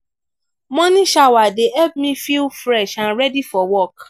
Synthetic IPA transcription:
mɔ̃nĩʃawadeɛp̚mĩfilfɾɛʃãnɾɛdifɔwɔk

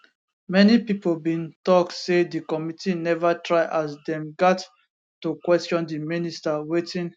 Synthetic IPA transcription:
mɛnipipolbĩntɔk̚tsedikɔmitinɛvatʰɹaɪʔasdɛ̃mɡat | tukwɛstɔ̃ndiministawetĩn

